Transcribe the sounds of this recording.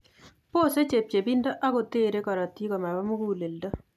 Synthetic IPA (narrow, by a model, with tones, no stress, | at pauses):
po˦˨se˦t͡ʃe˨p̚t͡ʃe˨bi˦ndɔ˦ʔa˦kʊ˨te˦ɾe˦kɔ˨ɾɔ˨ti˦kɔ˨ma˨ba˦mu˦ku˦˨le˨ldɔ˦